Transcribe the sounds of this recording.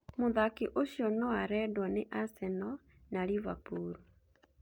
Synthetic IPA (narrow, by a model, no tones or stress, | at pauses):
moðakiʔoɕjɔnɔwaɾɛdwɔneʔasɛnɔ | naɾivapuɾu